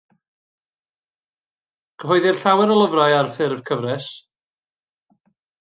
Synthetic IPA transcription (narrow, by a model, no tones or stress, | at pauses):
kʰəɦɔjðɪrɬawɛɾəlˠəvraɨarfɪrvkʰəvrɛs